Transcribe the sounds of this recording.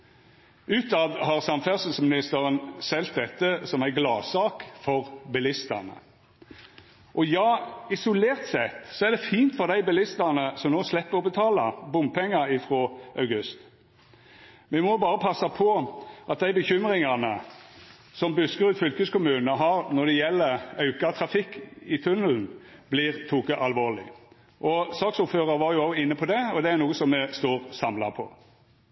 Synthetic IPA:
ʉːt̪ɑːd̪ɦɑːʁsɑmfæʁsəsmɪnɪst̪əʁənsɛlt̪̚d̪ɛt̪ːəsɔmæɪɡlɑːsɑːkfɔʁbɛlɪst̪ə̰ʁnə̰ | ʔɔjɑːɪsʊleːʁt̪sɛt̪ːsɔæʁd̪ɛfiːnt̪fɔʁd̪æɪbɛlɪst̪ənəsɔmnoːslɛpːəʁɔbət̪ʰɑːlɑ̰bʊm̚pʰɛŋːɑɪfʁoːʔɑʉɡʉst̪ | ʋɛmɔbɑːʁəpʰɑsːɑpʰɔʔɑt̪̚d̪æɪbəçʏmʁɪŋɑnə | sɔmbʉskəʁʉːt̪fʏlkʉskʊmʉːnnəɦɑʁnɔd̪ɛjɛlːəɑʉkɑt̪ʰʁɑfɪkːɪt̪ʰʉnəln̩bliːʁt̪ʰuːkəʔɑlʋoːlɪ̰ | ʔɔsɑːksʊføːʁəʋɑɾjʊɑʊɪnːəpʰɔd̪ɛɔd̪ɛæɾnuːəsɔmːɛst̪uːʁsɑmlɑpʰɔ̰

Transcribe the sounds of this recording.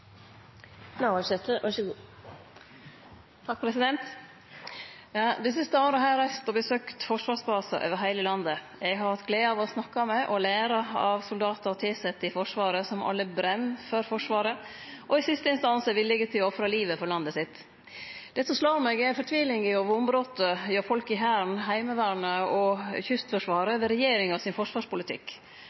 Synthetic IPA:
naɑʃɛt̪əʔæʂɡuː | t̪ʰɑk̚pʰɾɛsɪd̪ɛnt̪ | jɑːd̪ɪs̬ɪst̪əoːɾəɦæːɾæst̪ɔbəsøːkt̪fɔʂʋɑːʂbɑːsə̰ʔø̰ːʋəɾɦæɪləlɑnd̪ə | ɛɡhɑɾhɑt̪̚ɡleːɑʋɔsnɑkːɑmɛʔɔlæːɾɑɑʋsʊld̪ɑːt̪əɾt̪ʰɪlsɛt̪ːɪfɔʂʋɑːɾəsɔmʔɑ̰lːəbɾɛmfɔɾfɔʂʋɑːɾə | ʔɔɪsɪst̪əɪnst̪ɑnsɛʋɪlːɛɡət̪ʰɪlɔfɾɑliːʋəfɔɾlɑnd̪əsɪt̪ː | d̪̥ɛsɔslɑːɾmɛɡɛfɔʈ̪ʰʋiːlɪŋəoːʋəʊmbɾoːt̪əjøːɾfɔlkɪɦæːɳɦæɪməʋæːɾɳəɔçʏst̪fœʂʋɑːɾəʋɛɾɛjeːɾɪŋɑsɪnfɔʂʋɑːʂpʊlɪt̪ʰɪ̰k

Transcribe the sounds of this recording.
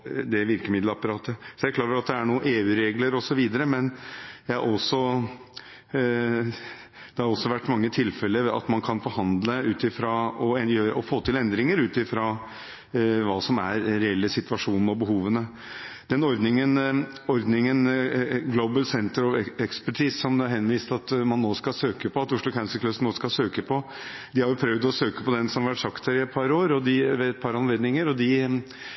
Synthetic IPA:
d̪ɛʋɪɾkəmɪd̪lɑpɑɾɑːt̪əsɔjæɪkʰlɑːɾəɾɑt̪̚d̪ɛæɳuːəʔeːʉːɾeːɡləɾɔsɔʋiːd̪əɾəmɛnjæɪɑ̰ɔsɔ | d̪̥ɛhɑɾɔsːɔʋæʈːmɑŋːət̪ʰɪlfɛləɾɑ̰t̪mɑnkʰɑnfɔɾhɑnd̪ləʉːt̪ɪfɾɑɔjøːɾɔfoːt̪ɪlɛnd̪ɾɪŋəɾʉːt̪ɪfɾɑː | ʋɑːsɔmæ̰ɾɾɛɛlːəsɪt̪ʋɑʂuːn̩ɔbəɦuːʋənə | d̪̥ɛnɔɾd̪nɪŋən | ɔɾd̪nɪŋənɡloʊbəlsɛnt̪əɾɔʋɛkspæʈʰiːssɔmd̪ɛɑɾɦɛnːʋiːst̪ɑt̪mɑnːoːskɑsøːkəpʰɔɑt̪ʊʂɭʊkʰæʉnsəkʰlʉsnoːskɑsøːkəpʰɔ | d̪ɪhɑɾjʊpʰɾœʋd̪ɔsøːkəpɔd̪ɛnsɔmhɑɾʋæʈsɑkt̪hæɾɪɛt̪̚pʰɑɾoːɾɔd̪ɪʋeɛt̪̚pʰɑɾɑnleːd̪nɪŋəɾɔd̪ɪ

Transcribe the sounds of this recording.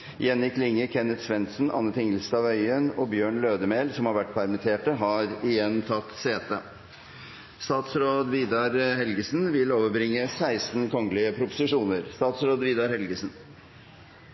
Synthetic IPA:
jɛnjɪklɪŋːəkʰɛnːət̪sʋɛnt̪sn̩ɑ̰nːət̪ʰɪŋəl̩st̪ɑːʋœʏənɔːbjøːɳløːd̪əmeːlsɔmhɑɾʋæʈːpʰæɾmɪt̪ʰeːʈəɦɑːɾɪjɛnːt̪ʰɑt̪ːseːt̪ə | st̪ɑːt̪sɾoːd̪ʋiːd̪ɑɾhɛlɡəsnʋɪloːʋəɾbɾɪŋːəsæɪst̪n̩kʰɔŋlɪəpʰɾʊpʊ̥sɪʂuːnəɾst̪ɑːt̪sɾoːd̪ʋiːd̪ɑɾhɛlɡəsn

